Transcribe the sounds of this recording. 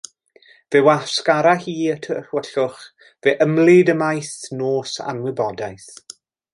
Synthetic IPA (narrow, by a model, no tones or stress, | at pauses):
vɛwaskaɾahiːətʰəwəɬʊχ | vɛːʔəmlɪdəmajsnoːsa̰nwɪbɔdajθ